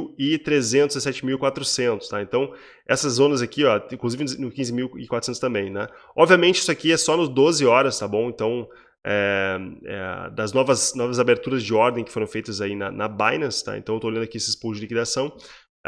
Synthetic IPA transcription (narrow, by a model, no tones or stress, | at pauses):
wɪt̪ɾezẽnt̪ʊzɪsɛt͡ʃɪmiwɪkwat̪ɾʊsẽnt̪ʊ̥st̪aẽnt̪ɐ̃w̃ | ɛsɐzːõnɐzakiɔĩkluzivɪnnʊkĩzɪmiwɪkwat̪ɾʊsẽt̪ʊ̥st̪ɐ̃mbẽj̃nɛ | ɔbviɐmẽnt͡ʃɪisʊakiɛsɔnʊzd̪ozɪɔɾɐst̪abõw̃ẽnt̪ɐ̃w̃ | ɛ | ɛ̰d̪ɐznɔvɐsnɔvɐzabeɾt̪uɾɐzd͡ʒɪɔɾd̪ẽj̃kɪ̥foɾɐ̃w̃fejt̪ɐzainɐ̰nɐbajnɐst̪a̰ḛ̃t̪ɐ̃ewt̪olɐ̃d̪akiesɪspud͡ʒɪlikid̪asɐ̃w̃